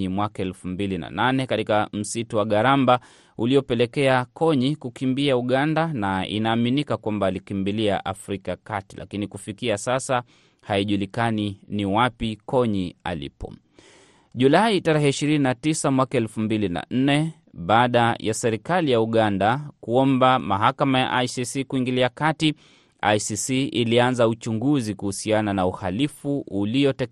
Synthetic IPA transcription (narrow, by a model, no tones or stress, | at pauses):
imwakaɛlfumbilina̰nanɛkatikam̩situwaɠaɾamba | uliɔpɛlɛkɛakʰɔɲikukimbiauɠandanaḭnaːminikakwambaːlikimbilia̰ʔafɾikakatila̰kinikufikiasasa | haiʄulikaniniwapikɔɲia̰lḭpɔ̰ | ʄulaitaɾɛhɛiʃiɾininatisamwakaɛlfumbilina̰n̩nɛ | ɓaːɗajasɛɾikalijauɠandakuɔmbamaɦakamaja̰ʔajsisikuiŋɡiliakati | a̰jsisiʔilianzaut͡ʃuŋɡuzikuhusiananauhalifuːliɔtɛ